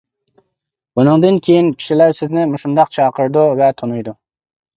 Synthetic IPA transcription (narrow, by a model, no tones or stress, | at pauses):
bunɨŋd̪ɨnkʲʰejinkʲʰi̥ʃilæɾsɪznɪmuʃumd̪ɑqt͡ʃʰɑːqəɾd̪uvɛt̪ʰonujd̪u